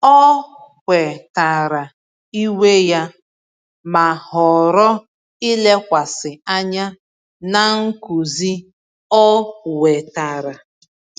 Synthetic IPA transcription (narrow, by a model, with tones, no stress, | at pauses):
ɔ˦kʷe˨ta˨ɾa˨ | i˦we˦ja˦ | ma˨hɔ˨ɾɔ˦ | i˦le˦kʷa˨sɪ˨a˦ɲa˦ | na˨ŋ̩˦ku˨zi˦ | ɔ˦we˨ta˨ɾa˨